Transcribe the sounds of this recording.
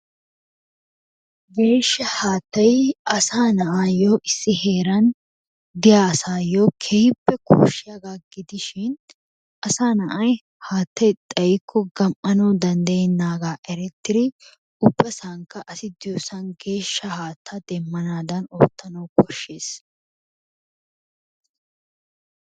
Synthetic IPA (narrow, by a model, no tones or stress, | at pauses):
ɡe̞ːʃːɐhaːt̪ːɐjɐsaːnɐʔaːjoːʔɪsːɪhe̞ːɾɐn | d̪ɪjaːɐsaːjoːkʰɛhɪpːɛkʰo̰ːʃːɪjaɡaːɡɪd̪ɪʃɪn | ʔɐsaːnɐʔɐj | haːt̪ːɐjt̪ʼɐjɪkʰːɔɡɐmʔɐnɐwd̪ɐnd̪ɐjɛnːaːɡaːʔɛɾɛt̪ːɪɾɪ | ʊbːɐsaŋkːɐʔɐsɪd̪ɪjoːsɐnɡe̞ːʃːɐhaːt̪ʰːɐd̪ɛmːɐnaːd̪ɐno̰ːt̪ːɐnɐwkɔʃːe̞ːs